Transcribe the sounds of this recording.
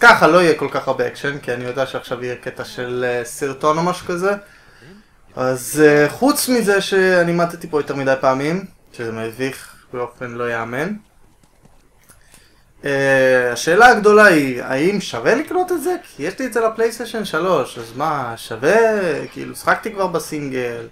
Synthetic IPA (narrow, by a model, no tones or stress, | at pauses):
kaχalo̞ijeko̞lkaχaʁbeekʃenkianijo̞d̪eaʃeaχʃavijeket̪aʃe̞lsiʁt̪o̞nomaʃu̥kaze̞ | azχut͡smize̞ʃe̞animat̪et̪ipojo̞t̪e̞ʁmid̪ajpaːmim | ʃezemeviχ | beo̞fe̞nlo̞jeame̞n | eaʃe̞ːlaːɡd̪o̞laia̰imʃavelikno̞t̪etze̞kʰijeʃlietzelaple̞jst̪eʃenʃalo̞ʃazmaʃavekiḭlusi̥χak̚t̪ikvaʁbesiŋɡel